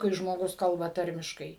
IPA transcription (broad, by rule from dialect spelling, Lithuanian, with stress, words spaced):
kɐɪ ʒmoːˈɡʊs ˈkɐlˠbɐ ˈtɐrʲmʲɪʃkɐɪ